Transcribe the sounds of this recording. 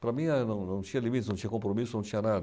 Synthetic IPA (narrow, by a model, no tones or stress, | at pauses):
pɾamianõnõnt͡ʃialimit̪snõnt͡ʃɛkːompɾomisːonõnt͡ʃianad̪